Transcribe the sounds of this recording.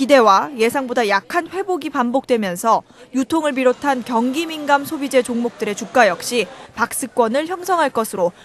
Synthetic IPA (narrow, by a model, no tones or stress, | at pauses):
kide̞waje̞sʰaŋbodajakʰanɸwe̞boɡipambok̚t͈we̞mjʌnsʰʌ | jutʰoŋɯɭpiɾotʰankjʌŋɡiminɡamsʰobid͡ʑe̞t͡ɕoŋmok̚t͈ɯɾe̞t͡ɕuk̚k͈ajʌk̚ɕ͈ipak̚s͈ɯk͈wʌnɯɭçjʌŋsʰʌŋɦaɭk͈ʌsʰɯɾo